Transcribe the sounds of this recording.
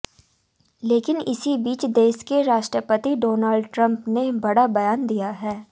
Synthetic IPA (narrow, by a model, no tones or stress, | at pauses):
leːkɪnɪsibiːt͡ʃd̪eːʃkeɾaːʃʈɾəpət̪iɖoːnaːlɖʈɾə̃mpnebɐɽabɐjaːnd̪ijaɦɛː